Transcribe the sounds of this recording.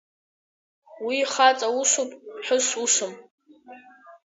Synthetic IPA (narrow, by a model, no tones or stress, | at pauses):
wiχat͡sʼauʂʷupʼħʊʂʷuʂʷʊm